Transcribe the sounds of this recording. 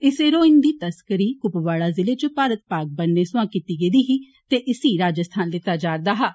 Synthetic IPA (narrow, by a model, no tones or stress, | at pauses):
ɪseːɾoːɪnd̪iːt̪əskəɾiːkʊpʋaːɽaːzɪleːt͡ʃəpaːɾət̪̚paːk̚bənːeːsʊãːkiːt̪iːɡeːd̪iːɦiː | t̪eːʔɪsiːɾaːd͡ʒəst̪ʰaːnlɪt̪aːd͡ʒaːɾd̪aːɦaː